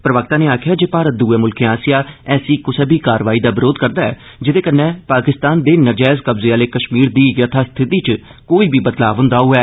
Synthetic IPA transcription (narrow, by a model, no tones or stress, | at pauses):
pɾəʋək̚t̪aːneːaːkʰɪjaːd͡ʒeːpaːɾət̪̚d̪uːɛːmʊlkeːaːsɪjaːɛːsiːkʊseːbiːkaːɾʋaːiːd̪aːbɪɾoːd̪kəɾd̪aːɛ̰ː | d͡ʒɪd̪eːkənːɛ̃ːpaːkɪst̪aːnd̪eːnəd͡ʒɛːzkəbzeːaːleːkəʃmiːɾd̪iːjət̪ʰaːst̪ʰɪt̪iːt͡ʃ | koːiːbʱiːbəd̪laːʋənd̪aːuːɛː